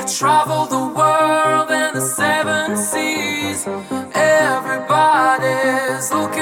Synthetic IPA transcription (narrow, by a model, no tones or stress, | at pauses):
tʰɹ̥ævl̩ˠðəwɜ˞llˠdɨ̃nðəsɛvə̃nsiz̥ɛvɹibɑɾizlʊk